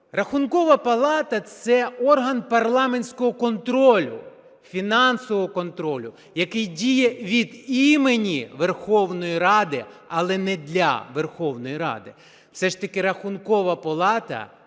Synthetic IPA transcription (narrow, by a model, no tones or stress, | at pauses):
rɐxʊnkɔʋɐpɐlˠɑt̪ɐt̪sɛɔrɦɐnpɐrlˠɑmenʲsʲkɔɦɔkɔnt̪ɾɔlʲʊ̰ | fʲinɑnsɔʋɔɦɔkɔnt̪ɾɔlʲʊ | jɐkɪjdʲijɛʋʲid̪imenʲiʋerxɔwnɔjiɾɑd̪ɪɐlˠɛnɛd̪lʲɐ̰ʋerxɔwnɔjiɾɑ̰d̪ɪ | wsɛʂt̪ɐkɪɾɐxʊnkɔʋɐpɐlˠɑt̪ɐ̰